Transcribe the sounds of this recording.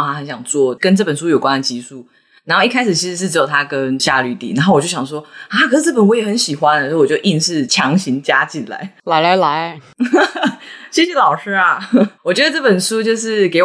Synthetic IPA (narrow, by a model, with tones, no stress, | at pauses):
a˥xə˧˥nɕjɑ˨˩ŋt͡swɔ˥˩kə˦nʈ͡ʂɤ˥˩pə˨˩nʂu˥jo˨˩ʊkwa˦nə˨t͡ɕi˧˥ʂu˥˩ | na˧˥nxo˥˧i˥˩kʰa˥ɪʂɻ̩˨˩t͡ɕʰi˧˥ʂɻ̩˧˥ʂɻ̩˥˩ʈ͡ʂɻ̩˧˥jo˨˩ʊt̪ʰa˥kə˦nɕja˥˧ly˧˥˩t̪ḭ˨˩na˧nxo˥˩wɔ˨˩jo˥˩ʊɕjɑ˨˩ʂ̬wɔ˥a˥˩˨kʰə˨˩ʂɻ̩˧˩ʈ͡ʂɤ˥˩pə˨˩nwɔ˥jɛ˨˩xə˧˦nɕi˨˩xwa˧˦ndə˨˧˥wɔ˨˩t͡ɕo˥˧ʊʔi˥˧nʂɻ̩˥˩t͡ɕʰjɑ˧˥ŋɕi˧˦ŋt͡ɕja˥t͡ɕi˨˩nla̰˨˦ɪla˧˥ɪla˧˥ɪla˧˥ɪ | ɕjɛ˥˩ɕɛ˨˦lɑ˨˩ʊʂɻ̩˥a˨wɔ˨˩t͡ɕɥɛ˧˥d̪ə˧ʈ͡ʂɤ˥˩pə˨˩nʂu˥t͡ɕjo˥˧ʊʂɻ̩˥˩ke˧˥ɪ